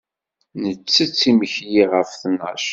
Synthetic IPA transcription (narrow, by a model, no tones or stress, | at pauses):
nət͡sːət͡sːiməçjiʁəfθnə̰ʃ